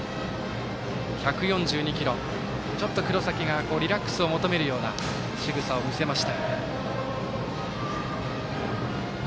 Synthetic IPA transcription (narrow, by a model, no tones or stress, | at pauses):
çakɯ̟jõ̞ɲd͡ʑɨːɲ̟ikʲiɾõ̞ŋ | t͡ɕo̞t̪ːo̞kɯ̟ɾo̞sakʲiɡako̞ːɾʲiɾakːɯ̥sɨo̞mo̞t̪o̞me̞ɾɯ̟jo̞ːna̰ | ɕiɡɯ̟sao̞mʲise̞maɕi̥t̪a